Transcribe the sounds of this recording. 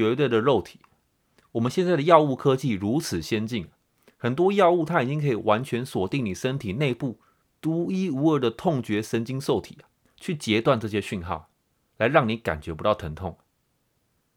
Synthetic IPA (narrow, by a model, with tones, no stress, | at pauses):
ɥɛ˧˥t̪we˥˩ɪd̪ə˨ɻo˥˩ʊt̪ʰi̥˨˦ | wɔ˨˩mə˨nɕjɛ˥˧nt͡sa˥˩ɪd̪ə˩jɑ˥˧ʊu˥˩kʰɤ˦t͡ɕi˥˨˩ɻu˧˦˥t͡sʰɹ̩˨˩ɕjɛ˥nt͡ɕi˥˩n˩ | xə˨˩nt̪̬wɔ˥jɑ˥˧ʊu˥˨t̪ʰa˦˥i˨˩t͡ɕi˦ŋkʰɤ˧˥i˨˩wa˧˦nt͡ɕʰɥɛ˧˥nswɔ˨˩t̪i˥˩ŋni˨˩ʂə˦nt̪ʰi˨˩ne˥˧ɪpu˥˩ | t̪u˧˥i˥u˧˥ə˧˥˩d̪ə˨t̪ʰo˥˨˩ŋt͡ɕɥɛ˧˥ʂə˧˥nt͡ɕi˥ŋso˥˩ʊt̪ʰi̥˨˩ | t͡ɕʰy˥˩t͡ɕjɛ˧˥t̪wa˥˧nʈ͡ʂɤ˥˧˩ɕ̬jɛ˦ɕy˥˧nxɑ̰˥˩ʊ | la˧˦ɪɻɑ˥˩ŋni˨˥ka̰˨˩nt͡ɕɥɛ˧˥pu˧˥t̪ɑ˥˩ʊt̪ʰə˧˥ŋt̪ʰʊ̰˥˩ŋ